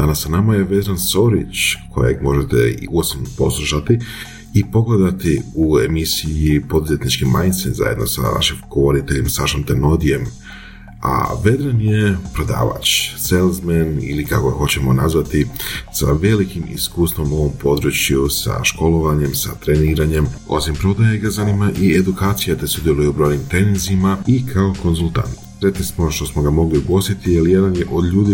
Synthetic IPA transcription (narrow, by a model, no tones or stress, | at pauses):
d̪anasːanamaje̞ʋe̞d̪ɾanso̞ɾḭt͡ʃkʰo̞̰jḛɡmo̞ʒet̪ḛḭuosomnopo̞̰slˠuʃat̪iː | po̞ɡle̞d̪at̪iue̞misijipo̞d̪uzet̪nit͡ʃkima̰jnd̪senza̰je̞d̪no̞̰sa̰ʋa̰ʃimɡ̥oʋo̞ɾit̪e̞ʎemsaaʃimt̪eno̞d̪ije̞m | a̰ʋe̞d̪ɾanje̞pɾo̞d̪a̰ːʋa̰t͡ʃselˠzmenḭlikako̞ɡaxo̞t͡ɕe̞mo̞nazʋat̪isa̰ʋe̞likimḭskuːst̪ʋo̞mo̞ʋo̞mpo̞d̪ɾut͡ɕjusa̰ʃko̞lˠo̞ʋaɲe̞msa̰t̪ɾe̞niːɾaɲe̞mo̞̰simpɾo̞d̪ajeɡazanimaʔied̪ukaːt̪sijat̪esud̪jelˠujeubɾo̞jnimt̪eninzimaikʰao̞ko̞nzulˠt̪a̰nt̪sɾe̞t̪nismoʃt̪o̞smo̞ɡamo̞ɡliuɡo̞st̪it̪ijelje̞d̪anje̞ʔo̞d̪ʎuːd̪i